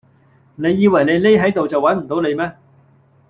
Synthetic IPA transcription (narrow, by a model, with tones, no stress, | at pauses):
ne˨˧jːiː˧wɐ˨˩jne˨˧jle˥jɦɐ˨˥jt̪o˨wt͡sɐ˨wɐ˨˥nm̩˨˩t̪o˨˥wne˨˧jmɛː˥